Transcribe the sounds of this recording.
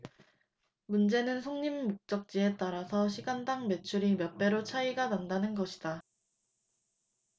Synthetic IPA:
mund͡ʑe̞nɯnsʰoŋɲimːok̚t͡ɕ͈ʌk̚t͡ɕ͈ie̞t͈aɾasʰʌɕ̬ʰiɡandaŋme̞t͡ɕʰuɾimjʌp͈e̞ɾot͡ɕʰaiɡanandanɯnɡʌɕʰid̥a

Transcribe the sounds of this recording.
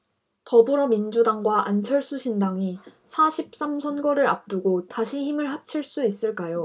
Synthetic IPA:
tʌbɯɾʌmind͡ʑudaŋɡwaʔant͡ɕʰʌɭs͈uɕʰindaŋisʰaɕʰip̚s͈amsʰʌnɡʌɾɯɾa̰p̚t͈uɡotaɕʰiçimɯɭɦap̚t͡ɕʰiɭs͈uis͈ɯɭk͈ajo

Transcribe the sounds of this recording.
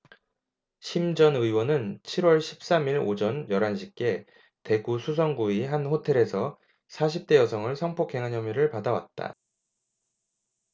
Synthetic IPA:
ɕʰimd͡ʑʌnɯiwʌnɯnt͡ɕʰiɾwʌɭɕʰi̥p̚s͈amiɾod͡ʑʌnjʌɾanɕʰik͈e̞ | te̞ɡusʰus̬ʰʌŋɡuiɦanɸotʰe̞ɾe̞sʰʌ | sʰaɕʰip̚t͈e̞jʌsʰʌŋɯɭsʰʌŋpʰokʰːe̞ŋɦaɲjʌmiɾɯɭpadawa̰t̚t͈a̰

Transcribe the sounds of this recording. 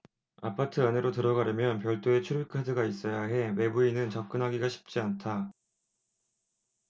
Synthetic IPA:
apʰatʰɯane̞ɾotɯɾʌɡaɾjɯmjʌnpjʌɭt͈oe̞t͡ɕʰuɾikʰadɯɡais͈ʌjaɦe̞we̞buinɯnt͡ɕʌp̚k͈ɯnɦaɡiɡaɕʰi̥p̚t͡ɕ͈iantʰa

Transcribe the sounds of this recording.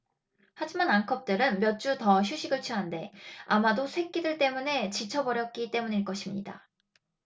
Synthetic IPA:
had͡ʑimanaŋkʰʌp̚t͈ɯɾɯnmjʌt̚t͡ɕ͈utʌçjuɕʰiɡɯɭt͡ɕʰiɦande̞amadosʰwe̞k̚k͈idɯɭt͈e̞mune̞t͡ɕit͡ɕʰʌbʌɾjʌt̚k͈it͈e̞muɲiɭk͈ʌɕʰimɲḭda̰

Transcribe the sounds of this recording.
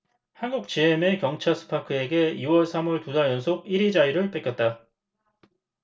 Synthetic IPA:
hanɡuk̚t͡ɕiɦeme̞kjʌŋt͡ɕʰasʰɯ̥pʰakʰɯe̞ɡe̞iwʌɭsʰamʌɭtudaɭjʌnsʰoɡ̚iɾid͡ʑaiɾɯɭp͈ek͈jʌt̚t͈a

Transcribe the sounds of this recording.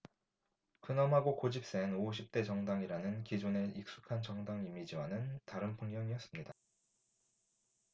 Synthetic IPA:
kɯnʌmɦaɡokod͡ʑip̚s͈enoɕ̬ʰip̚t͈e̞t͡ɕʌŋdaŋiɾanɯnkid͡ʑuneik̚s͈u̥kʰant͡ɕʌŋdaŋimid͡ʑiwanɯntaɾɯnpʰɯŋɲjʌŋiʌs͈ɯmɲida

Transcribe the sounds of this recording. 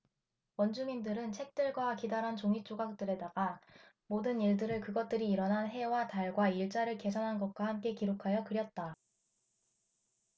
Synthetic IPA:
wʌnd͡ʑumindɯɾɯnt͡ɕʰe̞k̚t͈ɯɭɡwakidaɾɦant͡ɕoŋit͡ɕ͈oɡak̚t͈ɯɾe̞daɡa | modɯniɭdɯɾɯɭkɯɡʌt̚t͈ɯɾiːɾʌnɦanɦe̞wataɭɡwaiɭt͡ɕ͈aɾɯɭke̞sʰʌnɦanɡʌt̚k͈wahamk͈e̞kiɾokʰajʌkɯɾjʌt̚t͈a

